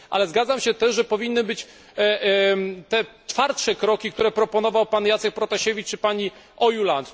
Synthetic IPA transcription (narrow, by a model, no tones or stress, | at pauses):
ʔa̰lɛzɡad̪zamɕɛt̪ɛʐʐɛpɔvʲinːɘbɘt͡ɕ | t̪ɛt͡ʂfaɾt̪ʂɛkɾɔkʲikt̪uɾɛpɾɔpɔnɔvawpanjat̪sɛk̚pɾɔt̪aɕevʲit͡ʂːɘpaɲi | ʔɔjulant̪